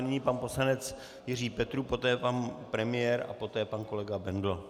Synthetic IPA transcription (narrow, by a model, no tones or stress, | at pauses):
nɪɲipanpo̞slanɛt͡s | jɪr̝iːpɛt̪ɾuːpo̞t̪ɛːpanpɾɛmɪjɛɾa̰po̞t̪ɛːpanko̞lɛɡabɛndl̩